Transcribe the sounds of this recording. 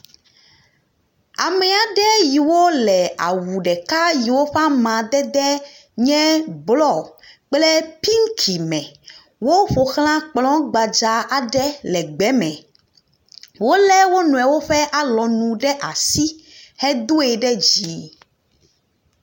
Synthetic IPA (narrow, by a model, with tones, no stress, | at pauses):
a̰˨mɛ˨a˨ɖɛ˦ji˨wo˦lɛ˨a̰˨wu˨ɖɛ˨ka˦ji˨wo˦ɸa˦mã˨d̪ɛ˦d̪ɛ˦ | ɲɛ̃˦blɔ˦k͡plɛ˦pi˦ŋ˦kʰi˨mɛ̃˨ | wo˦ɸo˨xl̃ã˦k͡plɔ̃˦ɡ͡ba˨d͡ʒa˨a˨ɖɛ˦lɛ˨ɡ͡bɛ˨˦mɛ̃˨ | wo˦lɛ˦wo˦nũ˨ɛ˨wo˦ɸɛ˦ʔa˨lɔ˨nũ˨ɖɛ˦ʔa˨si˦hɛ˦d̪o˦ɛ˨ɖɛ˦d͡ʑi˨˦